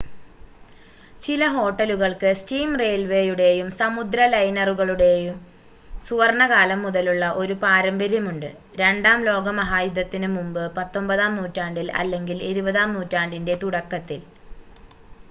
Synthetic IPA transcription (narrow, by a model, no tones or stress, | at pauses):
t͡ɕilɐɦo̞ːʈːɐluɣɐɭkɨstiːmreːlʋe̞ːjuɽe̞jumsɐmud̪ɾɐlɐjnɐruɣɐɭuɽe̞jum | suʋɐrɳɐɣaːlɐmːuðɐluɭːɐʔo̞ɾupaːɾɐmbɐɾjɐmuɳɖɨ̰ | ɾe̞ɳɖaːmlo̞ːɡɐmɐɦaːjud̪ɐt̪ːinɨmumbɨpɐt̪ːo̞mbɐðaːmnuːtːaːɳɖilɐ̰lːe̞ŋɡiliɾubɐðaːmnuːtːaːɳɖinde̞t̪uɽɐkːɐt̪ːil